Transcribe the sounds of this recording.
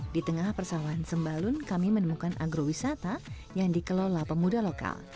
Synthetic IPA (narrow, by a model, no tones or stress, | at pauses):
dit̪əŋahpərsawaansəmbalʊnkamimənəmukanʔaɡɾowisat̪a | jaŋdikəlolapəmudaloka̰l